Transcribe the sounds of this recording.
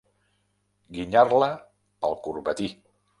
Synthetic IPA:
ɡiɲarlə | əlˠkuɾβət̪i

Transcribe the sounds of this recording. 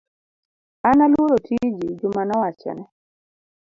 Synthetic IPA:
analwoɾotʰid͡ʒid͡ʒʊmanɔwat͡ʃɛ̰nɛ

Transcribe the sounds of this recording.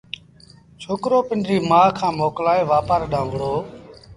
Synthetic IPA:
t͡ʃʰoːkɾoːpɪnɖɾiːmaːkʰãːmoːklaːeːʋaːpaːɾɗãːʋəɽoː

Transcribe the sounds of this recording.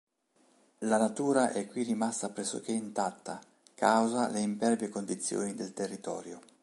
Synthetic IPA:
lanat̪uːɾaʔɛkːwirːimast̪apɾɛsːo̰k̟eint̪at̪ːa | kawzaleimpɛrbekond̪it̪sːjo̰ːnid̪elt̪erːit̪ɔ̰ːɾjo

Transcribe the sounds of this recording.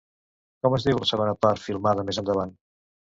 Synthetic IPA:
kɔməzðiwləsəβonəpaɾfilˠmaðəmezənd̪əβ̞an

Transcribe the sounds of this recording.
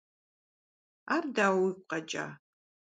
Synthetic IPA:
aːrdaːwik̚ʷqɐt͡ʃʼa̰ː

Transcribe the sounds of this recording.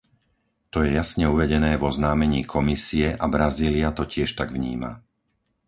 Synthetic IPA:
t̪ɔjɛjasɲɛuʋɛɟɛnɛːvɔznaːmɛɲiːkʰɔmisiɛʔabɾaziːliat̪ɔcɪɛʃt̪aɡʋɲiːma̰

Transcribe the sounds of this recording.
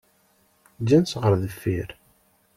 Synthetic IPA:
d͡ʒænsʁəɾˤðəfːiɾ

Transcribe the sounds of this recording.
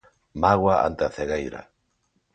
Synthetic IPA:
maɣwaa̰nt̪eaθeɣejɾa̰

